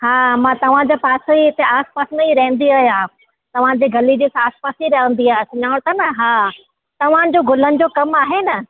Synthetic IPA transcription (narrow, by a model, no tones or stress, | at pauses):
ɦaːmãːt̪ɐʋ̤ãd͡ʑaːpaːsoiɪt̪eaːspaːsmẽiɾɐɦə̃nd̪iaːɦjaː | t̪ɐʋ̤ãd͡ʑiːɡʱɐlid͡ʑeːsaːspaːsiɾɐɦʋə̃n̆d̪iaːɦesʊɲaːɽ̃t̪ɐnɐɦaː | t̪ɐʋ̤ã̆d͡ʑoːɡʊlənɪ̆d͡ʑoːkɐmaːɦenɐ